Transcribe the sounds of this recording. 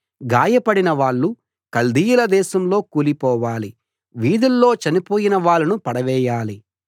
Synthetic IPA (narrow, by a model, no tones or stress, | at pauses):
ɡaːjɐpɐɽinɐʋaːɭːu | kɐld̪iːjulɐd̪ɛːʃɐmlo̞ːkuːlipɔːʋaːli | ʋiːd̪ulːo̞ːt͡ʃɐnipo̞ːjinɐʋaːɭːɐnupɐɽɐʋɛːjaːli